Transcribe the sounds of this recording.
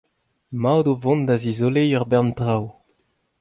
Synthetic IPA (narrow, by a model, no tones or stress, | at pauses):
mawd̪ovɔ̃nd̪azizolejœʁbɛʁntʁaw